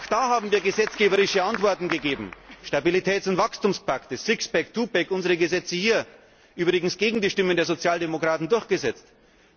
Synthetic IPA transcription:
aʊxd̥aːhaːbm̩viːɐɡəzɛt͡sɡ̥eːbəʁɪʃəantv̥ɔɐtn̩ɡəɡeːbm̩ʃtabilitʰɛːtʊntv̥akstumspʰaktəsɪksb̥ɛktʰuːbɛkʔʊnzəʁəɡəzɛt͡səhiːɐ | ʔyːbʁɪɡŋ̩sɡ̥eːɡŋ̩diːʃtɪməndeːɐzot͡sjaːldemokʁ̥aːtn̩dʊɐçɡ̥əzɛt͡st

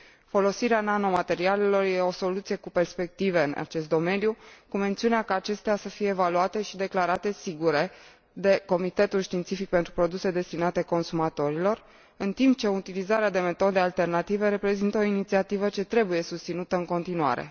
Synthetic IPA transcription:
fo̞lo̞siɾeanano̞mat̪e̞ɾiale̞lo̞rje̞o̞so̞lut̪sije̞kupe̞rspe̞k̚t̪ive̞ɨnʔa̰t͡ʃe̞st̪d̪o̞me̞njukume̞nt̪siuneakaːt͡ʃe̞st̪easəfije̞ːvaluat̪e̞ʃid̪e̞klaɾat̪e̞siɡuɾe̞ | d̪e̞ko̞mit̪e̞t̪ulʃt̪int̪sifik̚pent̪ɾupɾo̞d̪use̞d̪e̞st̪inat̪e̞ko̞nsumat̪o̞ɾilo̞r | ɨnt̪imp̚t͡ʃe̞ut̪ilizaɾead̪e̞me̞t̪o̞d̪e̞alt̪e̞rnat̪ive̞ɾe̞pɾe̞zint̪əo̞init̪siat̪ivət͡ʃe̞t̪ɾe̞buje̞sust̪inut̪əɨŋko̞nt̪inua̰ɾe̞̰

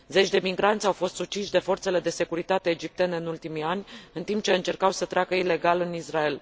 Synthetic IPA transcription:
ze̞t͡ʃʲd̪e̞miɡɾant̪sʲawfo̞st̪sut͡ʃiʃd̪e̞fo̞rt̪se̞le̞d̪e̞se̞kuɾit̪at̪e̞ːd͡ʒip̚t̪eneɨnult̪imianʲɨnt̪imp̚t͡ʃe̞ɨnt͡ʃe̞rkawsət̪ɾʲeakəile̞ɡalɨnisrae̞l

